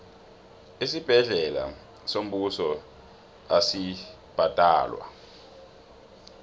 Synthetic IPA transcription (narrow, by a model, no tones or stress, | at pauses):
isib̥ʱɛɮɛla̰ | som̩ɓusɔ | asi | b̥ʱad̥ʼa̰ːlwa̰